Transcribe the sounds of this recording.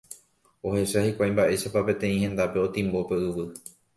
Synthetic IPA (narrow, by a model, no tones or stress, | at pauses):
o̞he̞ʃahikʷajmbaʔe̞ʃapape̞t̪ẽ̞ĩhẽ̞nd̪ape̞o̞t̪ĩmbo̞pe̞ɨʋɨ